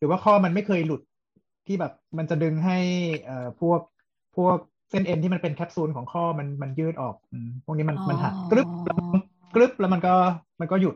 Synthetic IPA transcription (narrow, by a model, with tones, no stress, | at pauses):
ɾɯː˩˦waː˥˩kʰɔː˥˩ma˧nma˥˩jkʰɤː˧jlu˨˩t̪̚ | t̪ʰːiː˥˩bɛː˨˩p̚ma˧nt͡ɕa˨˩dɯ˧ŋɦa˥˩jʔɤː˨˩pʰu˥˩ək̚ | pʰu˥˩ək̚ | se˦˥˩nʔe˧nt̪ʰiː˥˩ma˧npe˧nkʰɛː˦˥p̚suː˦˥nkʰɔː˩˦ŋkʰɔː˥˩ma˧nma˧njɯː˥˩t̪̚ʔɔː˨˩k̚ʔɯː˧pʰu˥˩k̚ni˦˥ma˧nma˧nɦʰa˨˩t̪̚kɾɯ˦˥p̚lɛ˦˥˧ | kɾɯ˦˥p̚lɛ˦˥wma˧nkɔː˥˩ma˧nkɔː˥˩ju˨˩t̪̚